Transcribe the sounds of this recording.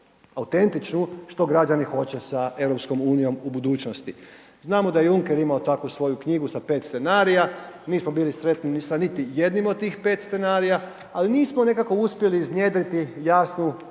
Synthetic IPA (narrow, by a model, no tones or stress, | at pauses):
aut̪e̞nt̪it͡ʃnuʃt̪o̞ɡɾad͡ʒanixo̞t͡ɕe̞sae̞ʋɾo̞psko̞muːnijo̞mubud̪uːt͡ʃnost̪i | znaːmo̞d̪ajejuŋkeɾimaot̪akʋusʋo̞jukɲiɡusape̞ːt̪st̪senaːɾijaniːsmobiːlisɾe̞t̪ninsanit̪ije̞d̪nimod̪̚t̪ːiːxpe̞ːt̪st̪se̞naːɾija | aliniːsmone̞kako̞uspjeliːznje̞ːd̪ɾit̪ijaːsnu